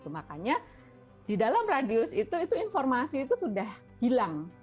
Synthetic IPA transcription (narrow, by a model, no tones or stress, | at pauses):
t̪umakaɲa | d̥idalamradiʊsit̪uit̪uinfɔrmasiːt̪usudah | hilaŋ